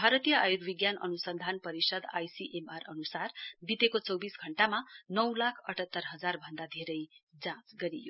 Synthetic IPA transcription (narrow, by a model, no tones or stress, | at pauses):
bʱaɾʌt̪ijʌajuɾbiɡjanʔʌ̰nusʌnd̪ʱanpʌɾisʌd̪ajsiʔemarʌnusarbit̪ekot͡sʌwbisɡʱʌɳʈamanʌwlakʰʌʈʰʌt̪ːʌrɦʌd͡zarbʱʌnd̪ad̪ʱeɾʌjd͡zãt͡sɡʌɾijo̰